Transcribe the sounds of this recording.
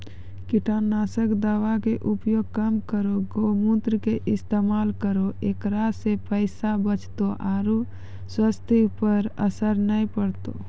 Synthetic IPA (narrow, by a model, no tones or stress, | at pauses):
kiʈʰanːaːsəkd̪aːʋakeʔupjoɡ̚kəmkəɾoɡomut̪ɾəkeʔɪst̪emaːlkəɾoeːkɾasepəɪsabət͡ʃt̪oʔaːɾu | swəst̪ʰipəɾəsəɾnəipəɾt̪o̰